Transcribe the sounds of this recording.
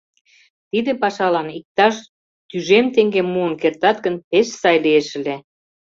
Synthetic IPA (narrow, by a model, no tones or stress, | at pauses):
t̪id̪epɑʃɑlɑnik̚t̪ɑʃ | t̪yʒemt̪eŋɡemːuənkert̪ɑt̪̚ɡə̆npeʃsɑjlieʃə̆le